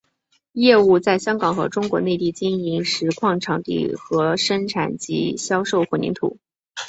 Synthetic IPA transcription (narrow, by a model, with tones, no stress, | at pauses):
jɛ˥˧u˥˧t͡sa˥˩ɪɕjɑ˥ŋkɑ˨˩ŋxɤ̰˧˥ʈ͡ʂʊ˥ŋkwɔ˧˥ne˥˧ɪt̪i˥˩t͡ɕi˥ni˧˥ŋʂɻ̩˧˥kʰwɑ˥˩ŋʈ͡ʂʰɑ˧˥ŋt̪ḭ˥˩xɤ˧˥ʂə˥nʈ͡ʂʰa˨˩nt͡ɕḭ˧˥ɕjɑ˥ʊʂo˥˩ʊxwnḭ˧˥ŋt̪ʰṵ˨˩˦